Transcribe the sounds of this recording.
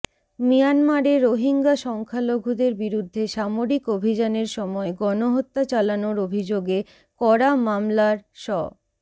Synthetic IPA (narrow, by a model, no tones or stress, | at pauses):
mijanmaɾeɾːoɦiŋɡaʃɔŋkʰaloɡʱud̪eɾbiɾud̪ʱːeʃamoɾikobʱid͡ʑaneɾʃɔmɔeɡɔnoɦot̪ːat͡ɕalanoɾobʱid͡ʑoɡe | kɔɾamamlaɾʃɔ̰